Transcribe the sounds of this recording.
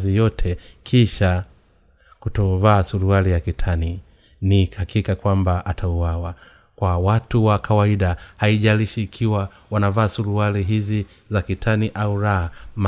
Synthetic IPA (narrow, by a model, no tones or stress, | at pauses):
zijɔtʰɛkʰiʃa | kutɔvaːsuɾualijakitʰani | nikhakʰikakwambaʔatʰauwawa | kwawatuwakʰawaiɗahaiʄaliʃiːkʰiwa | wanavaːsuɾualiɦizi | zakitʰaniʔauɾaham